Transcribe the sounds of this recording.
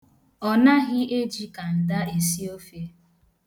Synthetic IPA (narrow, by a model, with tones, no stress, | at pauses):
ɔ˨na˦ɣɪ˦e˦d͡ʒi˦ka˨n̩˨da˦e˨si˦o˦fe˦